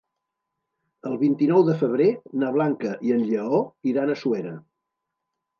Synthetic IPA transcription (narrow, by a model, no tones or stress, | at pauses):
əlˠβint̪inɔwðəfəβ̞ɾenaβ̞laŋkəʔiənʎəɔiɾanəsueɾə